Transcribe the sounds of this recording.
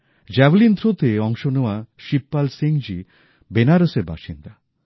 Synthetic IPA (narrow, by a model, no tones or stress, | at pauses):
d͡ʒɛʋlind̪ʱɾot̪eɔŋʃonuwaʃipːalseŋd͡ʒi | benaɾəseɾba̰ʃind̪a